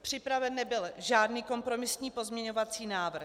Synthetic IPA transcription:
pr̝̥ɪpɾavɛnːɛbɪlʒaːdniːko̞mpɾo̞mɪsɲiːpo̞zmɲɛɲo̞vat͡siːnaːvr̩

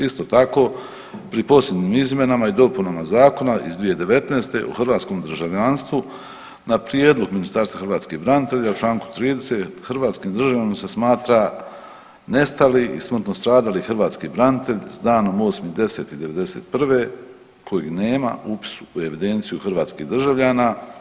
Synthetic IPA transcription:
ist̪o̞t̪ako̞ | pɾipo̞sje̞d̪nimizmʲe̞namaid̪o̞punamazaːko̞naizd̪ʋije̞d̪e̞ʋe̞t̪neːst̪e̞̰ʔo̰xrɾʋaːt̪sko̞md̪r̩ʒaʋʎanst̪ʋu | napɾije̞ːd̪lˠo̞ɡminist̪aɾst̪vaxrɾʋaːt̪skibɾanit̪e̞ʎaut͡ʃlˠaːŋku̥t̪ɾiːd̪e̞set̪xrʋaːt̪skimd̪ɾr̩ʒaʋjʎamase̞smaːt̪ɾa | ne̞st̪aliʔḭsmr̩t̪no̞st̪ɾaːd̪alixrʋaːt̪skibɾanit̪e̞ʎsd̪aːno̞mo̞ːsmid̪e̞se̞t̪id̪e̞ʋe̞d̪e̞se̞̰ːt̪̚pr̩ʋe̞ | kʰo̞jiɡne̞ːma̰upi̥su̥ːe̞ʋid̪e̞nt̪sijuxrʋaːt̪skḭhd̪r̩ʒaʋʎaːnaː

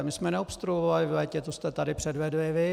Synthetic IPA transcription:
mɪsmɛnɛopst̪ɾuovalɪvlɛcɛt̪ost̪ɛt̪adɪpr̥ɛdvɛduɪvɪ

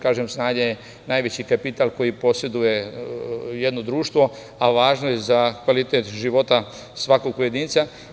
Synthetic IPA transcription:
kaːʒemsnaːɲeje | najʋe̞t͡ɕikapit̪alˠko̞jipo̞se̞d̪uje̞ | jed̪no̞d̪ɾuːʃt̪ʋo̞ | aʋaːʒnojezakʋalit̪et̪ʒiʋo̞t̪a | sʋako̞ɡ̚poje̞d̪iːnt̪sa

